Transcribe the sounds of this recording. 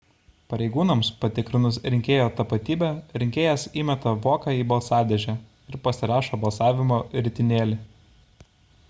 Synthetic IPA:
pɐɾʲɛɪɡuːnɐmspɐt̪ʲɪkɾʲɪnʊsɾʲɪŋʲkʲeːjoːt̪ɐpɐt̪ʲiːbʲɛɾʲɪŋʲkʲeːjɛsiːmʲɛt̪ɐʋoːkɑiːbɐlˠsɑːd̪ʲɛʒʲɛæ | ɪɾpɐsʲɪɾɑːʃoːbɐlˠsɑːʋʲɪmoːɾʲɪt̪ʲɪnʲeːlʲɪ

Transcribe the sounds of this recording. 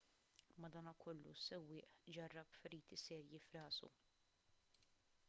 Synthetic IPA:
mɐd̪ɐːnɐkʰɔlːṵsɛwːɪːʔd͡ʒɐrːɐpfɛɾiːt̪isɛːɾjifɾɐːsṵ

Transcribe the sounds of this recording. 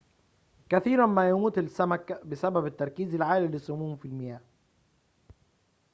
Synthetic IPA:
kæθiːɾænmæːjamuːt̪ɪlsːæmækbɪsæbæbɪt̪ːɑɾˤkiːzɪlʕaːlilɪsːʊmuːmfilmɪjæːh

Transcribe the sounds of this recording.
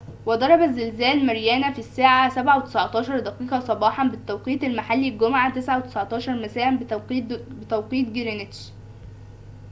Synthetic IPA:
wæd̪ˤɑɾˤɑbæzːelzæːlmæɾjæːnæfisːaːʕasæbʕawet̪e̥sʕt̪ˤɑːʃɑɾˤd̪æqiːqɑsˤɑbɑːħɑnbɪt̪ːæwqiːt̪ælmaħalːilɡʊmʕat̪esʕawet̪e̥sʕt̪ˤɑːʃɑɾˤmæsæːʔæ | bet̪æwqiːt̪̚ɡeɾenet̪ʃ

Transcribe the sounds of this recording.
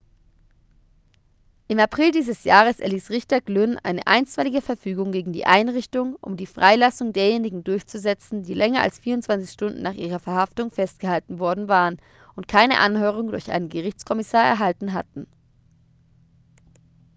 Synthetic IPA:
ʔɪmapʁ̥ɪldiːzəsjaːʁ̞əsʔɛ̰ɐliːsʁɪçtɐɡlønʔa̰ɪnə̰ʔa̰ɪnstv̥alɪɡəfɛɐfyːɡʊŋɡeːɡŋ̩dḭːʔaɪnʁɪçtʊŋʔʊ̰mdiːfʁ̥aɪlasʊŋdeːɐjeːnɪɡŋ̩dʊɐçt͡suzɛt͡sn̩diːlɛŋɐʔa̰lsfiːɐʊntt͡sv̥ant͡sɪ̥çʃtʊndn̩naːχʔḭːʁ̞ɐfɛɐhaftʊŋfɛstɡ̥əhaltn̩vɔɐdn̩vaːʁən | ʔʊntkʰaɪnə̰ʔa̰nhøːʁ̞ʊŋdʊɐçʔa̰ɪnənɡəʁɪçt͡skʰɔmɪsaːɐɛ̰ɐɦaltn̩ɦatn̩

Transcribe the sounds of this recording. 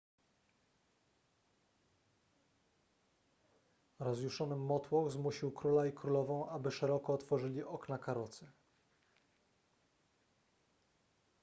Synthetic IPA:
ɾɔzʲjuʂɔnɘmːɔt̪wɔ̃w̃zmuɕiwkɾulaikɾulɔvɔ̃w̃ʔabɘʂɛɾɔkɔːt̪fɔʐɘlʲiʔɔknakaɾɔt̪sɘ

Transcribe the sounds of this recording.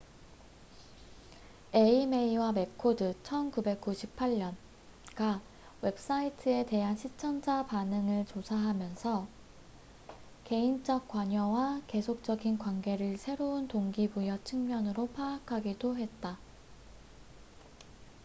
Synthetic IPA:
e̞imeiwame̞kʰodɯt͡ɕʰʌnkube̞k̚k͈uɕʰipʰaʎːʌn | ɡa | we̞p̚s͈aitʰɯe̞te̞ɦanɕʰit͡ɕʰʌnd͡ʑʰapanɯŋɯɭt͡ɕosʰaɦamjʌnsʰʌ | ke̞int͡ɕ͈ʌk̚k͈waɲʌwake̞sʰok̚t͡ɕ͈ʌɡinkwanɡe̞ɾɯɭsʰe̞ɾountoŋɡibujʌt͡ɕʰɯŋmjʌnɯɾopʰaːkʰaɡidoɦe̞t̚t͈a

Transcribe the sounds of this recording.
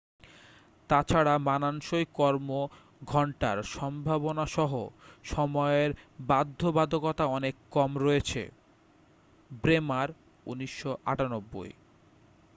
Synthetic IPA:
t̪at͡ɕʰaɽamananʃojkɔɾmo | ɡʱɔɳʈa̰ɾʃɔmbʱabonaʃɔɦo̰ʃɔmɔeɾbad̪ʱːobad̪ʱokɔt̪aɔnekːɔmɾɔet͡ɕʰḛ | bɾemaɾ | ṵniʃːoʔa̰ʈanobːo̰j

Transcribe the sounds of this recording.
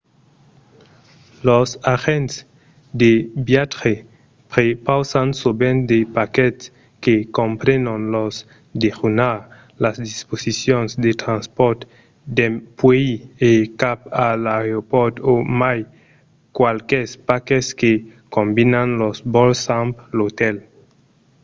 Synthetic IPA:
losaxent̪s | d̪ebjat̪ɾe | pɾepawsansobend̪epaket̪s | kekompɾenonlos | d̪eʁunaɾ | lasd̪isposisjonsd̪et̪ɾanspɔɾt̪ | d̪epweiekapalaɾopoɾt̪omaj | kwalkespakeskekombinanlosbolsamplot̪el

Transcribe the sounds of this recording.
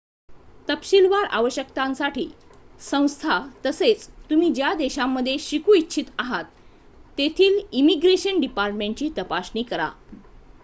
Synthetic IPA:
t̪əpɕilʋaɾa̰ʋəɕjək̚t̪ãnsaʈiːsə̃w̃st̪ʰat̪əset͡st̪um̤iːd͡ʑjad̪eɕamːəd̪ʱːjeɕikuːitːɕʰit̪aɦat̪ː | et̪ʰiːlimiɡɾeɕənɖipaɾʈmẽɳʈ̚t͡ɕiːt̪əpaɕniːkəɾa̰

